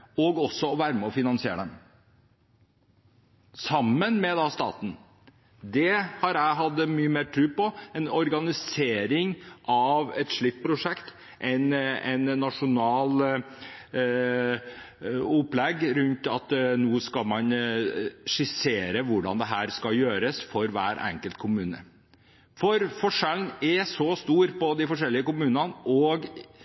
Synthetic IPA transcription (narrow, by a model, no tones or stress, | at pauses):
ɔɡɔsːɔɔʋæːɾəmɛɔfɪnɑnsɪḛːɾəd̪ɛm | sɑmːənmɛd̪ɑːst̪ɑ̰ːt̪n̩ | d̪ɛhɑɾæɪɦɑd̪ːəmyːəmeːʈʰɾʉːpɔɛnɔɾɡɑnɪseːɾɪŋʔɑʋɛt̪ʂɭɪt̪̚ːpʰɾʊʂɛkt̪ | ʔɛnɛnnːɑʂʊnɑːl | ʊplɛɡɾʉnt̪ɑt̪nuːskɑlmɑn | ʂɪseːɾəʋʊɖɑ̰nd̪ɛɦæːɾskɑljøːɾəsfɔɾʋæ̰ːɾʔɛ̰ŋkəlt̪kʰʊmʉːnə̰ | fɔɾfɔʂɛlnɛsɔst̪uːɾpɔd̪ɪfɔʂɛlːɪəkʊmʉːnənʔɔɡ